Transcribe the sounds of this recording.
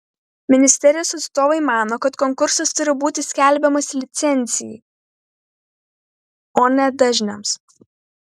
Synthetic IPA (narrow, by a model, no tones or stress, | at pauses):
mʲɪnʲɪsʲt̪ʲɛɾʲɪjoːsɐt̪st̪oːʋɐɪmɑːnoːkɐt̪kɔŋkʊɾsɐst̪ʊɾʲɪbuːt̪ʲɪsʲkʲæˑlʲbʲɛmɐsʲlʲɪt̪sʲɛnʲˑt̪sʲɪjɛɪ | oːnʲɛd̪ɐʒʲnʲɛms